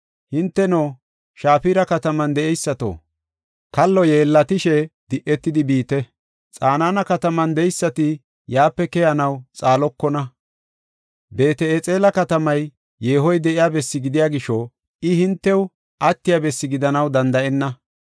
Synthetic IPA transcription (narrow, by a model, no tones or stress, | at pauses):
hɪnt̪ːɛnoː | ʃaːfiɾɐkɐt̪ɐmɐnd̪ɛɛjsːɐt̪o̰ː | kɐlːɔje̞ːlːɐt̪ɪʃɛd̪̥ɪʔːɛt̪ːɪd̪ɪbiːt̪ɛ | t͡sʼaːnaːnɐkɐt̪ɐmɐnd̪ɛjsːɐt̪ɪ | jaːpːɛkɛjɐnɐwt͡sʼaːlɔkːɔnɐ | be̞ːt̪ɛet͡sʼe̞ːlɐkɐt̪ɐmɐj | jeːɦɔjd̪ɛʔɪjaːbɛsːɪɡɪd̪ɪjaːɡɪʃɔ | ɪhɪnt̪ːɛw | ʔɐt̪ːɪjabɛsːɪɡɪd̪ɐnɐwd̪ɐnd̪ɐʔɛnːɐ